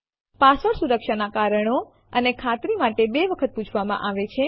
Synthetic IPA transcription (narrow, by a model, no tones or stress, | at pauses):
pasəɭsuɾəkʃanakaɾəɳo | ənekʰat̪ɾimaʈebeʋəkʰət̪̚put͡ʃʰʋamã̰ʔaʋet͡ʃʰe